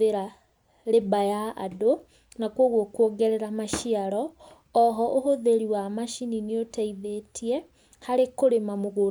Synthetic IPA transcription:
eɾa | ɾebajaa̰do | nakwoɣwokwoɡɛɾɛɾamaʃiaɾɔ | ɔɦɔʔohoðeɾiwamaʃinineotɛiðetiɛ | haɾekoɾemamoɣo

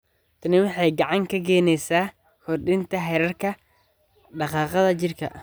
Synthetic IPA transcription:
t̪ʰɐnɪwɑħɑjɡɑʕɑŋkʰɐɡɛːnɛjsaː | kʰɔrɖɪnt̪ʰɐɦɛɾɐrkʰɐ | ɖɑqɑːqɑðɐt͡ʃɪrkʰɐ̰

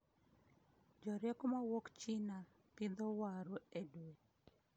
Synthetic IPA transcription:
d͡ʒɔɾjɛkomawokt͡ʃina | pɪd̪owaɾoedwet

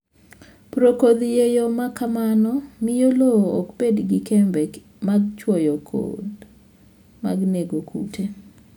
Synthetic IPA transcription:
pɾokod̪jejomakamanɔmɪjoloɔkpedɡɪkembɛk | maɡt͡ʃwɔjɔkʰo̰d | ma̰ɡneɡokʰṵtʰe

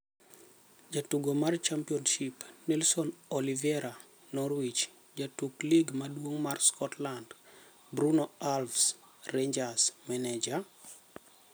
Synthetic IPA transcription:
d͡ʒatuɡomart͡ʃampiɔnʃipnɛlsɔnɔlivɛɾa | nɔɾwit͡ʃ | d͡ʒatukliɡmadwoŋmarskʰɔtland | bɾunoalfsreɲd͡ʒasmɛnɛd͡ʒa

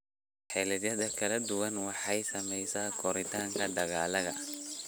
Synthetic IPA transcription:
ħɛlɛðjɐðɐkʰɐlɐd̪ʊwɐnwɑħɑjsɐmɛjsaːkʰɔɾɪt̪ʰaːŋkʰɐd̪ɐɣaːlɐðɐ

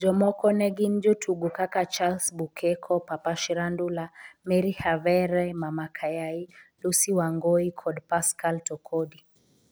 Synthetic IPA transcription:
d͡ʒɔmɔkɔnɛɡind͡ʒutʰuɡukakat͡ʃalsbukʰɛkʰɔpapaʃiɾandulamɛɾihavɛɾɛmamakʰajailusiwaŋɡɔikʰɔdpaskaltɔkʰɔdi

